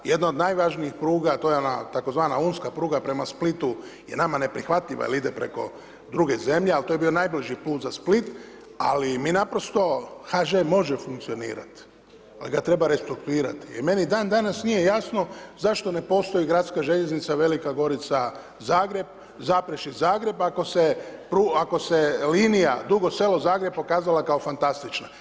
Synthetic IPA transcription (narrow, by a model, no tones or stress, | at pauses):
je̞d̪naod̪najʋaʒniixpɾuːɡat̪oːjeona̰t̪ako̞zʋaːnauːnskapɾuːɡapɾe̞masplit̪uje̞̰namane̞pɾixʋat̪ʎiʋa̰jelid̪epɾe̞̰ko̞̰ | d̪ɾuɡe̞ze̞mʎealt̪ojebio̞najbliʒipluːt̪zasplit̪ | a̰liminapɾo̞st̪o̞xaʒemo̞ʒefuŋkt̪sio̞nḭːɾa̰t̪ | aliɡat̪ɾe̞baɾe̞st̪ɾuk̚t̪uiːɾa̰t̪i̥ḭme̞nid̪aːnd̪anasnije̞jasno̞zaʃt̪o̞ne̞po̞ːst̪o̞jiɡɾat̪skaʒeʎe̞znit̪saʋe̞likaɡo̞ɾit̪sa | zaːɡɾe̞b̚ | zapɾeʃizaːɡɾe̞bako̞se̞pɾuako̞se̞liːnijad̪uɡo̞se̞lo̞zaːɡɾeb̚po̞kaːzalakao̞fant̪ast̪it͡ʃna